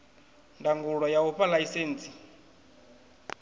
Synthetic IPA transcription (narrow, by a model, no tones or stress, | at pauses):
ndaŋɡuɺɔjauɸalaisɛːnt͡sʰi̥